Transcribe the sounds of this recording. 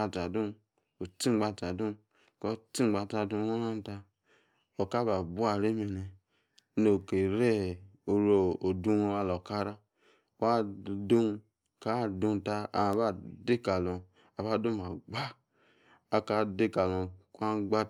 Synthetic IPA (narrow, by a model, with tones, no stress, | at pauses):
a˧ta˨dũ˦ | o˨ti˦ɡ͡ba˦˨ta˨du˦ | kɔ˦˨ti˦˨ɡ͡ba˨ta˧˨du˧˦o˦a˦n˦ta˧ | o˨ka˦ba˨bu˦a˨ɾe˦me˨ne˨˦ | no˨ke˨ɾe˦o˨ɾo˨o˨du˦˧wa˦lo˨ka˦ɾa˦ | a˦du˦ | ka˦˨dũ˧n˨ta˦a̰˨a˨ba˦de˦ka˨lɔ̃˨ | a˨ba˦˨du˦ba˨ɡ͡ba˦ | a˨ka˦de˦ka˨lɔ˨ka˦ɡ͡ba˦